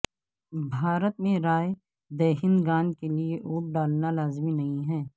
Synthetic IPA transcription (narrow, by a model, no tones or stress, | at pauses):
bʱaːɾət̪mẽɾaːe | d̪ɛːɦɪnɡaːnkelieʔuːʈ̚ɖaːlnalaːzminɐɦĩɦɛː